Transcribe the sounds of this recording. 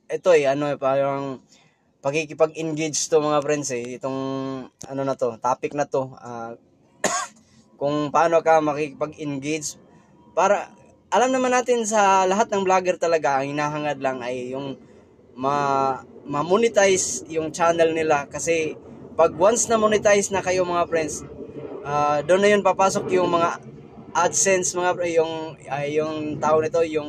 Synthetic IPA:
ʔɛt̪o̞ɛjɐno̞ɛpaːɾɐŋ | pɐkɪkɪpɐɡɪnɡed͡ʒt̪omɐŋapɾɛnsɛɪt̪o̞ŋʔɐ̰no̞nɐt̪ot̪aːpɪk̚nɐt̪o̞a | kʊŋpɐaːnokamɐkɪkɪpɐɡɪnɡejd͡ʒ | paːɾɐ | ʔɐlamnɐmanaːt̪ɪns̬ɐlɐɦat̪̚nɐŋblaːɡɛɾt̪ɐlɐɡaʔɐŋhɪnaːɦɐŋad̪laŋɐjːʊŋ | mɐ | mɐmunɪt̪ajsjʊŋt͡ʃaːnɛlnɪlakɐsɛpɐɡ̚wansnɐmonɪt̪ajsnɐkɐjomɐŋapɾɛnsʔad̪oʔnːɐjo̞npapaːso̞kjʊŋmɐŋa | ʔad̪sɛnsmɐŋapjʊŋɐjːʊŋt̪aːʔonɪt̪o̞jʊŋ

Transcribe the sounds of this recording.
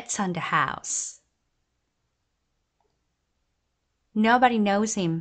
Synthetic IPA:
tsn̩ðɨha̰ʊs | noʊbəɾinoʊz̥hɪ̃m

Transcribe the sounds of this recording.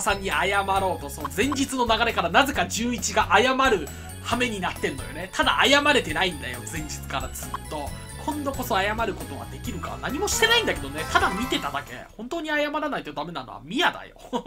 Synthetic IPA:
sãɲ̟ːiajamaɾo̞ːt̪o̞sonzẽ̞ɲ̟d͡ʑit͡sɨno̞naɡaɾe̞kaɾanaze̞kaʑɨːit͡ɕiɡaʔajamaɾɯ̟ | hame̞ɲ̟inat̪ːẽ̞nːo̞jo̞̰ne̞t̪ʰad̪a̰ʔajamaɾe̞t̪e̞naĩnd̪a̰jo̞̰zẽ̞ɲ̟d͡ʑit͡sɨ̥kaɾat͡sɨt̪ːo̞ | kʰõ̞nd̪o̞ko̞so̞ajamaɾɯ̟ko̞t̪o̞βa̰d̪e̞kʲiɾɯ̟ka̰naɲ̟imo̞ɕi̥t̪e̞naĩnd̪ake̞d̪one̞t̪ad̪amʲit̪e̞t̪ad̪ake̞̰hõ̞nt̪oːɲ̟iajamaɾanait̪od̪ame̞nano̞̰a̰mʲijad̪a̰jo̰

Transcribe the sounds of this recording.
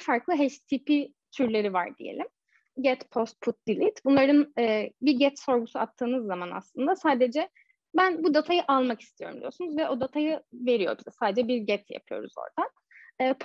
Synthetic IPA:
faɾklˠɯɦɛʃt̪ʰipʰi | t̪ʰyɾlʲe̞ɾiva̰ɾd̪ḭjḛlʲim | ɟɛt̪pʰo̞st̪̚pʰut̪̚d̪ilʲit̪bunlˠaɾɯnɛːbiɾɟɛt̪so̞ɾɡusuat̪ʰːɯːnɯzːamana̰slˠɯnd̪asaːd̪ed͡ʒɛ | bænbud̪at̪ʰajɯʔalˠmaki̥st̪ʰijo̞ɾumd̪ijo̞ɾsunuzvɛʔo̞d̪at̪ʰajɯve̞ɾijo̞̰bizɛsaːd̪ed͡ʒɛbiɾɟɛt̪ja̰pʰɯjo̞̰ɾuzo̰ɾd̪aː | pʰ

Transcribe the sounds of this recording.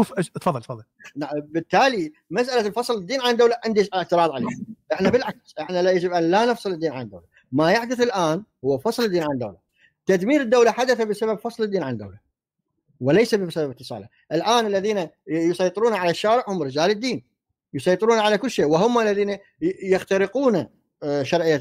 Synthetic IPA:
uːft̪fɑðˤːɑlt̪fɑðˤːɑlnaʕbɪt̪ːaːli | mas̬ʔalalfɑsˤlɪd̪ːiːnʕand̪awlaʕɪnd̪iɪʕt̪ɨɾˤɑːðˤʕalḛːhaʔɪħnabɪlʕaksʔɪħnajad͡ʒɪbʔanlanɨfsˤɨld̪ːiːnʕand̪ːawla | majaħd̪ɪθɪlʔaːnhʊwːafɑsˤld̪ːiːnʕand̪ːa̰wla | t̪ad̪miːɾɪd̪ːawlaħad̪aθabɪsaβabfɑsˤlɨd̪ːiːnʕand̪a̰wla | wɪlejsabɪsababɪt̪ːɨsˤɑ̰ːla | ʔɪlʔaːnalːaðiːnajʊsˤɑjt̪ˤɨɾuːnaʕalaʃːaːɾɪʕhʊmɾɪd͡ʒaːlɪd̪ːiːn | jʊsˤɑjt̪ˤɨɾuːnaʕalakʊlːʃeːʔwɪɦʊmalːaðiːna | jɪxt̪aɾɪquːna | ʃɑɾˤʕɪjːa

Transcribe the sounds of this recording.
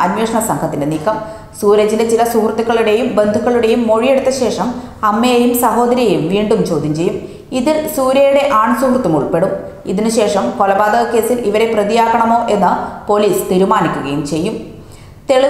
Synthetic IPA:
ɐnweːʂɐɳɐsɐŋkʰɐt̪ːindeniːkːɐm | suːɾɐd͡ʑinet͡ɕilɐsuhrt̪ːukːɐɭuɽe̞jumbe̞nd̪ʱukːɐɭuɽe̞jumːo̞ɻije̞ɽut̪ːɐɕe̞ːʂɐm | ɐmːejɐjumsɐho̞ːd̪ɐɾijɐjumʋiːɳɖumt͡ɕo̞ːd̪ʱːimt͡ɕe̞jːum | iðilsuːɾjɐjuɽe̞ʔaːɳsuhrt̪ːumuɭpe̞ɽum | iðinɨɕe̞ːʂɐmko̞lɐbaːd̪ɐɣɐkːe̞ːsiliʋɐɾe̞prɐðijaːkːɐɳɐmo̞ːʔe̞nːɨpo̞liːst̪iɾumaːnikʲːuɣɐjumt͡ɕe̞jːum | t̪eɭu

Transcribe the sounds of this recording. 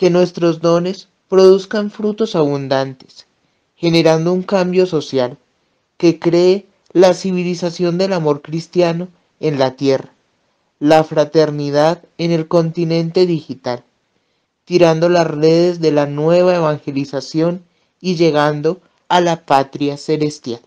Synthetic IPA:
ke̞nwe̞st̪ɾo̞zd̪o̞ne̞s | pɾo̞ðuskaɱfɾut̪o̞saβ̞und̪ant̪e̥s | xe̞ne̞ɾand̪o̞uŋkambjo̞so̞sjal | ke̞kɾe̞ː | lasiβilisasjo̞nd̪e̞lamo̞ɾkɾist̪jano̞ | e̞nlat̪je̞ra | lafɾat̪e̞ɾnið̞að | e̞ne̞lko̞nt̪inẽ̞nt̪e̞ðixit̪al | t̪iɾand̪o̞lasre̞ðe̞zðe̞lanwe̞β̞ae̞βaŋxe̞lisasjo̞n | iʝe̞ɣand̪o̞ | alapat̪ɾjase̞le̞st̪jal

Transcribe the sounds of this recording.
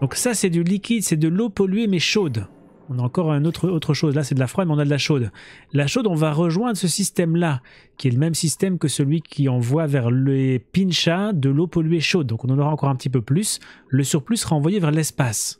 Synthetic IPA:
d̪ɔ̃ksasɛd̪ylikʲid̪sɛd̪əlopɔlɥemɛʃod̪ | ɔ̃naɑ̃kɔʁnot̪χəot̪χəʃozlasɛd̪əlafχwad̪mɛɔ̃nad̪əlaʃod̪laʃod̪ɔ̃vaʁəʒwɛ̃d̪ʁəsəsist̪ɛmla | kʲiɛləmɛmsist̪ɛmkəsəlɥikʲʰiɑ̃vwavɛʁlepinʃad̪əlopɔlyeʃod̪d̪ɔ̃kɔ̃nɑ̃nɔʁaɑ̃kɔʁɛ̃pət̪ip̬øplysləsyʁplysəʁaɑ̃vwajevɛʁlɛspas

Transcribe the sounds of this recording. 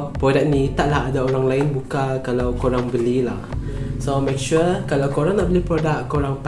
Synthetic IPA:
pɾodak̚nit̪aʔlahadaoɾaŋlaɪnbukakalawkoɾaŋbəlilah | somak̚ʃukalawkoɾaŋnaʔbəlipɾodakkːoɾaŋp

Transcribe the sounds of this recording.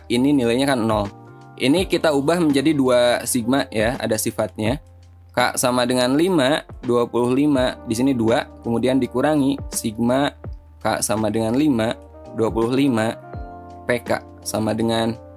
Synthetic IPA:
ininilajɲakannɔl | ʔinikit̪aubahməɲd͡ʒadiduasiɡ̚majaa̰dasifat̪̚ɲa | ka̰ʔsamadəŋanlimaduapulʊhlimadisiniduakəmudiandikuɾaŋisiɡ̚ma | ka̰ʔsamadəŋanlima | duapulʊhlima | peka̰ʔ | samadəŋan

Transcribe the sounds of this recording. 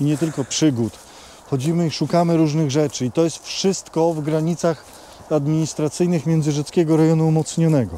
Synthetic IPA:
iɲɛt̪ɘlkɔpʂɘɡut̪ | xɔd͡ʑimɘiʂukamɘɾuʐnɘɣʐɛt͡ʂɘit̪ɔjɛst̪fʂɘst̪kɔvɡɾaɲit̪sax | ad̪mʲiɲist̪ɾat̪sɘjnɘxmʲjɛnd̪zɘʐɛt̪skʲɛɡɔɾɛjɔnuumɔt̪sɲɔnɛɡɔ

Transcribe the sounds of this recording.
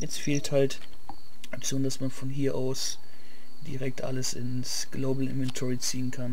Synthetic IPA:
jɛt͡stfeːlthalt | ʔakt͡sjoːndasmanfɔnɦiːɐʔaʊs | d̥ḭʁɛk̚tʔa̰ləsɪ̰ns | ɡ̥loːbl̩ɪ̰nvɛntʰɔʁit͡siːənkʰan

